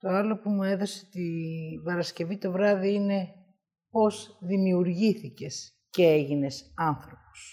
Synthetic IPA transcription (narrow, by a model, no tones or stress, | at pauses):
t̪o̞ɐlo̞pumue̞ðo̞set̪ipɐɾɐsce̞vit̪o̞vɾɐðiine̞ | po̞zðimiuɾʝiθice̞s | ce̞eʝine̞sɐnθɾo̞po̥s